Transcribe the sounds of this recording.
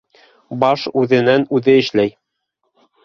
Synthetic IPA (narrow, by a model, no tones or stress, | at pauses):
bɑʃʉðɘ̆nænʉðɘɘ̆ʃlæj